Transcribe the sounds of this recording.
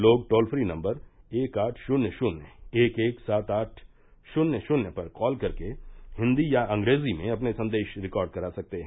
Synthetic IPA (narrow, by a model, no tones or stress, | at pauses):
loːɡ̚ʈoːlfɾinɐ̃mbəɾeːkaːʈʰʃʊnjəʃʊneːkeːksaːt̪aːʈʰ | ʃʊnjəʃʊnjəpɐɾkɔːlkɐɾkehɪ̃nd̪ijaɐ̃ŋɡɾeːzimẽɐpnesɐ̃nd̪eːʃɾɪkɔːɾɖ̚kɐɾaːsɐk̚t̪eɦɛ̃ː